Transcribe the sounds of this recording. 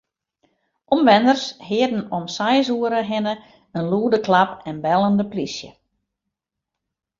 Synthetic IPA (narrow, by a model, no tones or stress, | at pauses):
ʔɔmʋɛnərshɪədn̩ɔmsɛjsuəɾəɦɪnə | ənluːədəklapɛnbɛlˠəndəplisjə̰